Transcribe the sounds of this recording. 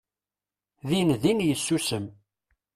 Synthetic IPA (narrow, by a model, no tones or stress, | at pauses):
ðinðinjəsːusəm